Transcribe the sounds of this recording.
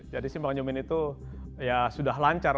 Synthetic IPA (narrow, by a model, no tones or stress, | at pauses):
d͡ʒadisimbaŋd͡ʒumɪnit̪u | jasudaɦlaɲt͡ʃar